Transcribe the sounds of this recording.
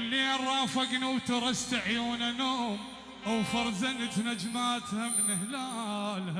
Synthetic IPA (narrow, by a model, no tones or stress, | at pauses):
lːiːnɾˤɑːfaɡniwt̪ɑɾˤɑst̪aʕjuːnanoːm | ʔawfɑɾˤzanat̪nad͡ʒmaːt̪hamɪnɪhlaːl